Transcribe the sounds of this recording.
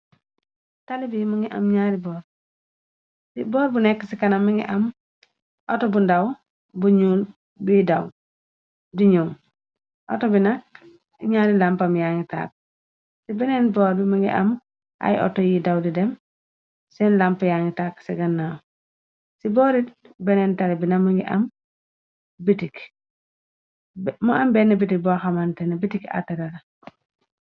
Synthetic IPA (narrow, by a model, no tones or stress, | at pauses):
talibimaŋɡiʔa̰mɲaɾibɔːɾ | sibɔːɾbunɛkːsikanamiŋɡḭʔam | ʔotobundaw | buɲuːl | bidaw | diɲuŋ | ʔotobinak̚ | ɲaːɾilampamjaŋita̰ːk̚ | sibɛnɛnbɔɾbimaŋɡḭʔɐ̰m | ʔa̰jʔɔ̰tɔjidawdidɛm | sɛnlampɐjaŋitaksɛɡɐnːa | sibɔɾit | bɛnɛntalɛbinɐmuŋɡiʔɐ̰m | bitik | muambɛnːɐbitik̚bɔːxamantɛnɐbitika̰tɐɾalɐ